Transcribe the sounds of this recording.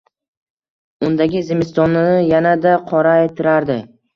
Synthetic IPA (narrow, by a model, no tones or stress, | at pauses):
ʊnd̪aɡʲɪzɪmɪst̪ɒnɪjanad̪aqʰɒɾaet̪ʰɪɾaɾd̪ɪ